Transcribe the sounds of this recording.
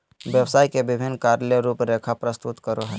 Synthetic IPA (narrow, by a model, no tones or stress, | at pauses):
ʋjəwsaːjkebɪbʱɪnːkaɾleɾuːpɾekʰapɾəst̪ut̪kəɾoɦɛ